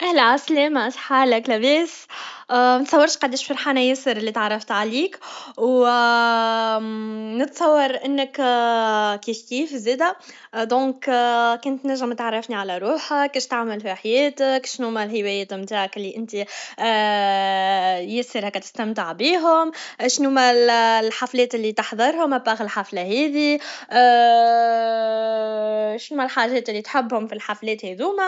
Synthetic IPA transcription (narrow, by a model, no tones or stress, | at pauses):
ʔæhlæʕaslɛːmaʔsˤħaːlɪklæbɛːs | mæt̪sˤɑwːɑɾˤʃqɑd̪eːʃfɑɾħaːnajɪsəɾɪlːit̪ʕɑrˤːɑft̪ʕaliːkw | nɪt̪sˤɑwːɑɾˤʔɪnːək | kiːfkiːfzeːd̪æ | d̪ɔ̃ːkkʊnt̪næʒːɪmt̪ʕarˤːɑfniʕalæɾuːħakːiʃt̪aʕməlfiħajɛːt̪əkʃnuːmælɦɪwɛjɛːt̪mt̪aːʕakʔɪlːiʔɪnt̪i | jæsːəɾhækːæt̪ɪ̥st̪amt̪ɪʕbiːɦʊmʃnuːmællħaflɛːt̪ɪlːit̪ɑħðˤɑɾˤhʊmʔæbaɣɪlħaflahɛːðiʔː | ʃnuːmælħaːʒɛːt̪ɪlːit̪ħɪbːhʊmfilħaflɛːt̪hed̪uːmæ